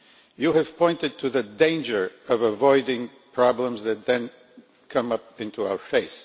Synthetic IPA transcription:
jɨɨv̥pʰɔ̃ɪ̃ntɨd̚tʰɨðɨdẽɪ̃nd͡ʒə˞ʌvəvɔɪdɪ̃ŋpʰɹ̥ɑblə̃mzðɨt̪̚ðɨ̃n | kʰʌ̃mʌp̚ɪ̃ntuaʊə˞feɪs

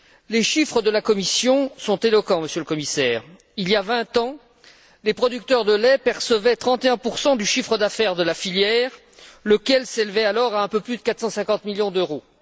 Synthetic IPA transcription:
leʃifχəd̪əlakɔmisjɔ̃sɔ̃t̪elɔkɑ̃məsjøləkɔmisɛːʁ | iljavɛ̃t̪ɑ̃ | lepχɔd̪yk̚t̪œʁd̪əlɛpɛʁsəvɛt̪χɑ̃t̪eɛ̃puʁsɑ̃d̪yʃifχəd̪afɛʁd̪əlafiljɛʁ | ləkʲɛlselvɛalɔʁaɛ̃pøplyd̪əkat̪χsɑ̃sɛ̃kɑ̃t̪miljɔ̃d̪øʁo

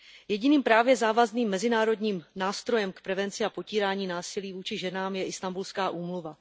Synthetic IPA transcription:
jɛɟɪniːmpɾaːvjɛzaːvazniːmːɛzɪnaːɾo̞dɲiːmnaːst̪ɾo̞jɛmkpɾɛvɛnt͡sɪapo̞ciːɾaːɲiːnaːsɪliːvuːt͡ʃɪʒɛnaːmjɛʔɪst̪ambulskaːʔuːmluva

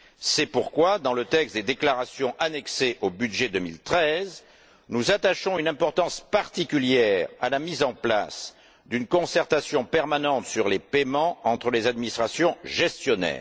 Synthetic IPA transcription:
sɛpuʁkwad̪ɑ̃lət̪ɛkst̪̚d̪ed̪eklaʁasjɔ̃ʔanɛkseʔobyd̪ʒed̪əmilt̪χɛz | nuzat̪aʃɔ̃ynɛ̃pɔʁt̪ɑ̃spaʁt̪ikʲyljɛʁa̰lamizɑ̃pla̰s | d̪ynkɔ̃sɛʁt̪asjɔ̃pɛʁmanɑ̃t̪syʁlepemɑ̃ɑ̃t̪χəlezad̪̚minist̪χasjɔ̃ʒɛst̪jɔnɛ̰ːʁ

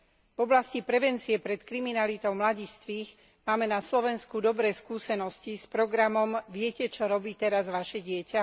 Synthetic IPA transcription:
vɔblascipɾɛʋɛnt͡siɛpɾɛt̪kɾiminalit̪ɔʊmlaɟist̪ʋiːx | maːmɛnaslɔʋɛnskud̪ɔbɾɛːskuːsɛnɔscispɾɔɡɾamɔmʋɪɛcɛt͡ʃɔɾɔbiːt̪ɛɾazʋaʃɛɟɪɛca

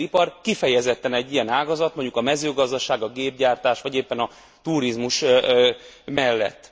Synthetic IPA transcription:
ipɒrkifɛjɛzɛt̪ːɛnɛɟːijɛnaːɡɒzɒt̪moɲɟukɒmɛzøːɡɒzd̪ɒʃaːɡɒɡeːb̚ɟaːrt̪aːʃʋɒɟeːpːɛnɒ | t̪uːɾizmuʃ | mɛlːɛ̰t̪ː

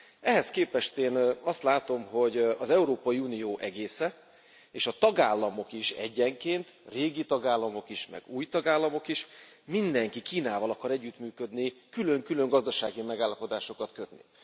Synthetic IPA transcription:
ɛɦɛskeːpɛʃt̪eːnɒst̪laːt̪o̞mɦo̞ɟɒzɛuɾoːpɒjiuːnijoːʔɛɡeːsɛ | eːʃɒt̪ɒɡaːlːɒmo̞kiʃɛ̰ɟːɛŋkeːnt̪reːɡit̪ɒɡaːlːɒmo̞kiʃmɛ̰ɡuːjt̪ɒɡaːlːɒmo̞kiʃ | mind̪ɛŋkikiːnaːvɒlɒkɒɾɛɟːyt̪myːkø̞d̪nikyløŋkylø̞ŋɡɒzd̪ɒʃa̰ːɡimɛɡaːlːɒpo̞d̪aːʃo̞kɒt̪køt̪nḭ

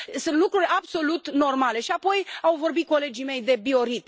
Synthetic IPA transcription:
sɨnt̪lukɾurʲabso̞lut̪no̞rmale̞ʃiapo̞jawvo̞rbit̪̚ko̞le̞d͡ʒime̞jd̪e̞bio̞ɾit̪

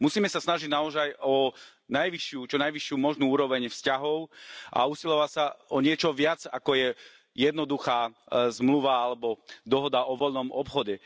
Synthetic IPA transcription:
musiːmɛsasnaʒiɟnaɔzajɔ | najʋiʃɪut͡ʃɔnajʋiʃɪuːmɔʒnuːuːɾɔʋɛɲfscaɦɔʊʔa̰usilɔʋacsaɔɲɪɛt͡ʃɔʋɪad͡zakɔjɛ | jɛd̪nɔd̪uxaːzmluʋaalɛbɔd̪ɔɦɔd̪aʔɔʋɔʎnɔmɔpxɔɟɛ

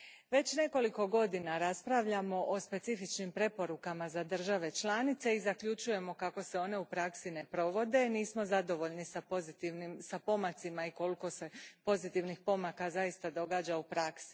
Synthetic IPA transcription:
ʋe̞t͡ɕne̞ko̞liko̞ɡo̞d̪inaɾaspɾaʋʎamo̞ʔospe̞t̪sifit͡ʃnimpɾe̞po̞ɾukamazad̪r̩ʒaʋe̞t͡ʃlˠaːnit̪se̞izakʎut͡ʃuje̞mo̞kako̞se̞o̞ne̞upɾaksine̞pɾo̞ʋo̞d̪e̞niːsmo̞zad̪o̞ʋo̞ʎnisapozit̪inimsapo̞mat̪simaiko̞liko̞se̞po̞zit̪iʋnixpo̞makazajist̪ad̪o̞ɡaːd͡ʑaupɾaksi̥

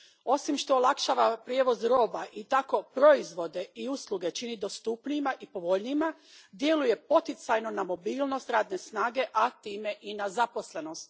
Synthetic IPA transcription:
o̞simʃt̪o̞ːlakʃaːʋapɾjeʋo̞zɾo̞ːbaʔit̪ako̞pɾo̞izʋo̞d̪e̞iuslˠuɡe̞t͡ʃinid̪o̞st̪upnimaʔipo̞ʋo̞ʎnima | d̪je̞luje̞po̞t̪it̪sajno̞namo̞biːlˠno̞st̪ɾaːd̪ne̞snaːɡe̞ʔat̪iːme̞ʔinazapo̞sle̞no̞st̪

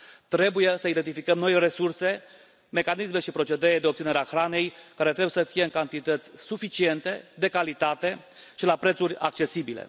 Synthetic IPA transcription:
t̪ɾe̞buje̞səid̪ent̪ifikəmno̞jre̞surse̞ | me̞kanisme̞ʃipɾo̞t͡ʃe̞d̪eɾed̪eop̚t̪sineɾeaxɾane̞jkaɾe̞t̪ɾebujesəfije̞ɨŋkant̪it̪ət̪sʲsufit͡ʃie̞nt̪e̞d̪e̞kalit̪at̪e̞ | ʃilapɾe̞t̪suɾʲa̰k̚t͡ʃe̞sibilḛ

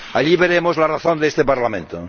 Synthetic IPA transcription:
aʎiβeɾemozlaraθond̪eest̪epaɾlamẽnt̪o

